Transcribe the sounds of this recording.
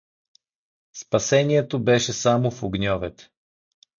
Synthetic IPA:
spɐsɛniɛt̪obɛʃɛsamofoɡnʲɔvɛt̪

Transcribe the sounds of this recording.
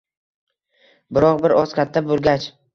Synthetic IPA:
bɪɾɒqbɪɾɒz̥kʲʰat̪ʰːabolˠɡʲat͡ʃ

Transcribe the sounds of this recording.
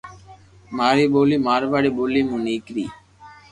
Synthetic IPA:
maːɾiboːlimaːɾʋaːɽiboːlimuniːkɾḭː

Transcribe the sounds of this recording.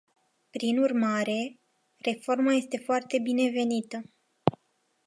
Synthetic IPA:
pɾinurmaɾe̞ | re̞fo̞rmaje̞st̪e̞foart̪e̞bine̞ve̞nit̪ə

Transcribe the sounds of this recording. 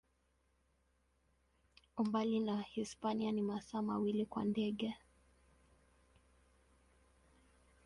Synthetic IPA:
umbalinahispanianimasaːmawilikwa̰ndɛɠɛ

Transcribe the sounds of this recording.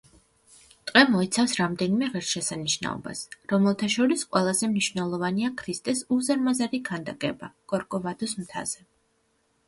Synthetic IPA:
t̪ʼqʼɛmɔɛt̪sʰafsɾamd̪ɛnimɛʁɛɾʃɛsaniʃna̰ɔ̰ba̰sɾɔmɛlˠt̪ʰaʃɔɾisqʼwɛlˠazɛmniʃvnɛlˠɔvaniakʰɾist̪ʼɛsuzaɾmazaɾikʰand̪akʼɛbakʼɔɾkʼɔvad̪ɔsmt̪ʰa̰z̥ɛ

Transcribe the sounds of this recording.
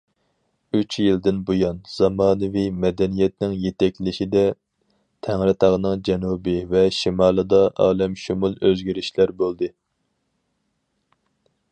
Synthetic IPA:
yt͡ʃjild̪ɪnbojɑnz̥ɑmɑːnɨvimɛd̪ɛnijɛt̪̚nɪŋjet̪ɛk̚ʲlɪʃid̪ɛ | t̪ʰæŋɾɨt̪ʰɑʁnɨŋd͡ʒɛnubɨvɛʃimɑːlˠɨd̪ɑʔɑːlˠɛmʃumulˠøzɡʲiɾɪʃlæɾbolˠd̪ɨ

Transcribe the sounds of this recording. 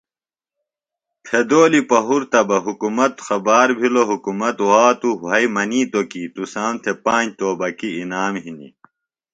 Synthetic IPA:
pʰed̪oːlipɐɦuɾt̪ɐbɐɦukumɐt̪xɐbaːɾbʱiloɦukumɐt̪waːt̪uɐjmɐniːt̪okit̪usãːnt̪ʰepãːd͡ʑt̪oːbɐkiinaːmɦinḭ

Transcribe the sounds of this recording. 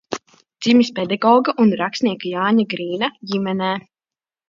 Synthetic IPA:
d̪z̥imispɛd̪aɡɔːɡaʔunɾakst̪nʲiɛkajaːɲaɡɾiːnajimɛnɛː

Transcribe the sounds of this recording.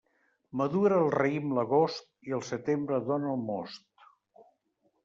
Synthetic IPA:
məðuɾəːlˠrəimləɣost̪̚iəlˠsət̪embɾəðonəlˠmɔst̪

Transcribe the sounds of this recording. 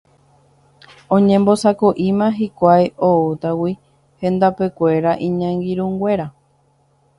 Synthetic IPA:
õɲẽ̞mbo̞sakoʔimãɦikʷajoot̪awi | hẽ̞nd̪ape̞kʷe̞ɾaʔĩɲãŋɡiɾũŋɡʷe̞ɾa

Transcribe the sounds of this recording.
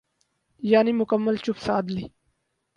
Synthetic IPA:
jaːnimʊkəmːəlt͡ʃupsaːd̪li

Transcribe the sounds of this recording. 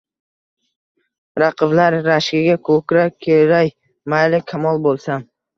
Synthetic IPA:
ɾɑqʰɨvlaɾːaʃkʲɪɡʲakʰɵkʲɾakʲʰeɾaj | majlɪkʲʰamɒlˠbolˠsam

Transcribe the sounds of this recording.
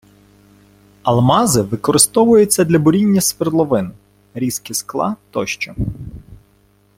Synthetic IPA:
ɐlˠmɑzɪʋɪkɔɾɪst̪ɔʋʊjʊt͡sʲːɐd̪lʲɐbʊɾʲinʲːɐsʋɪrlˠɔʋɪnʊ | ɾʲiskʲisklˠɑ̰t̪ɔ̰ʃt͡ʃɔ

